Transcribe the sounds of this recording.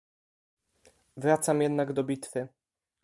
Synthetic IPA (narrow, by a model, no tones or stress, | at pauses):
vɾat̪samjɛd̪naɡd̪ɔbʲit̪fɘ